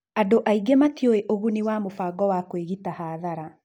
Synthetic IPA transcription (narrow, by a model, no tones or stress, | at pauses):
adoʔaiɡematjoeʔoɣuniwamofaːɡɔwakweɣitahaːðaɾa